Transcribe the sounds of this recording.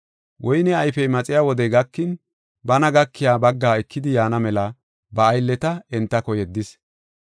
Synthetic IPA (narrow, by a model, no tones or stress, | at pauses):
wʔɔjnɛɐjfɛjmɐt͡sʼɪjaːwɔd̪ɛjɡɐkːɪn | bɐnɐɡɐkʰːɪjaːbɐɡːaːɛkʰːɪd̪ɪjaːnɐmɛlɐ | bɐːjlːɛt̪ɐɛnt̪ːɐkɔjɛd̪ːɪs